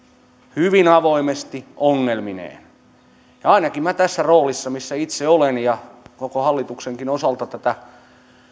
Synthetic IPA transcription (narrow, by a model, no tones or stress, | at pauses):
hyʋinɑʋoimest̪iʔoŋːelminḛːn | jɑɑinɑkimmæt̪æsːæroːlisːɑmisːæit̪seolenjɑkokohɑlːit̪ukseŋkinosɑlt̪ɑt̪æt̪æ